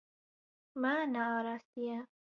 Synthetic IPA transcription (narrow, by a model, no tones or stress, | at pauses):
manaːɾasija